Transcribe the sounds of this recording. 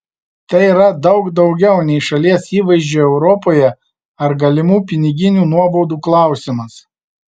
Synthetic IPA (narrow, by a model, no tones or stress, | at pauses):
t̪ɛɪiɾɐd̪ɒʊɡd̪ɒʊɡʲɛʊnʲɛɪʃɐlʲiɛsiːʋɐɪʒʲd͡ʒʲuːɛʊɾɔpoːjɛ | ɐɾɡɐlʲɪmuːpʲɪnʲɪɡʲɪnʲuːnuɔbɔʊd̪uːklˠɑˑʊsʲɪmɐs